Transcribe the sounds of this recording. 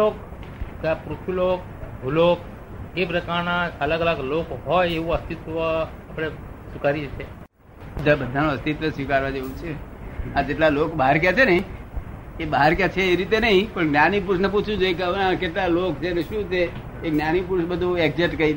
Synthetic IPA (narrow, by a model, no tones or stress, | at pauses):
ok | pɾut̪ʰulok̚ | bʱulok | kepɾəkaɾnaələɡələɡlokɦɔjeʋũəst̪it̪ʋəapɽ̃esukaɾid͡ʒt͡ʃʰe | bəd̪ʱabəd̪ʱanõəst̪it̪ʋəsʋikaɾʋad͡ʒeʋũt͡ʃʰead͡ʒeʈlalokbəɦaɾkjat͡ʃʰenəɦĩ | ebəɦaɾkjat͡ʃʰeːɾit̪enəɦĩpəɳɡnanipuɾsnəp̬ut͡ʃʰũt͡ʃʰoekəʋnakeʈlalokt͡ʃʰeneʃũt͡ʃʰe | eɡnanipuɾsbəd̪ʱũɛkd͡ʒeʈkəi